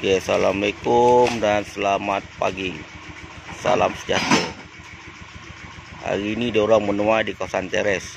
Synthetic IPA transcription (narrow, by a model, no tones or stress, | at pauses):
keasalamalekʊmdansəlamat̪̚pa̰ɡi | sa̰lamsə̥d͡ʒa̰t̪ə | ha̰ɾiːnidauɾaŋmənuadikasant̪ɛɾɛs